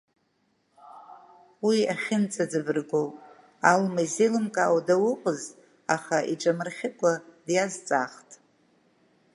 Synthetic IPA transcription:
wiaχʲɪnt͡sʼad͡zɨvɨrɡow | almazilɨmkʼaːwadawʊqʷʼəz | aχaʔiʈ͡ʂʼamɨrχʲɪkʷʼadjazt͡sʼaχtʼ

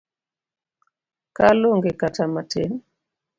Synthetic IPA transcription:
kaloŋɡekatamatʰen

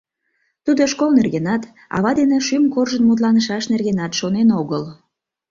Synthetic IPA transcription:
t̪ud̪oʃkolnerɣenɑt̪ | ɑ̰βɑd̪eneʃymkorʒənmut̪̬lɑnəʃɑʃnerɣenɑt̪ʃonenoɣəl

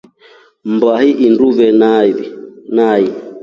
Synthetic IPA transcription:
mbahiʔinduvɛn | nai

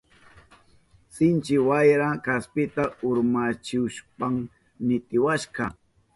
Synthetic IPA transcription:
sɪnt͡ʃɪwajɾakaspɪt̪aʊɾmat͡ʃɪʃpaŋ | nɪt̪ɪwaʃɢɑ

